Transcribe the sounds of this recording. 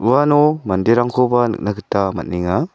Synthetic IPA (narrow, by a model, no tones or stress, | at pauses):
uwanɔmandeɾaŋkʰɔbanɯ̰k̚nakʰɯtama̰t̚niŋa